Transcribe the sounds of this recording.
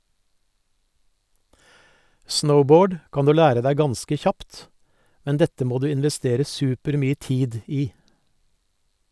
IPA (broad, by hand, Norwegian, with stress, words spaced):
ˈsnəʊˌboːɖ ˈkɑn ˈdʉː ˈlæːɾə ˈdæɪ ˈɡɑnskə ˈçɑpt ˈmɛn ˈdɛtə ˈmoː ˈdʉː ɪnʋɛˈsteːɾə ˈsʉːpəɾˌmyːə ˈtiːd ˈiː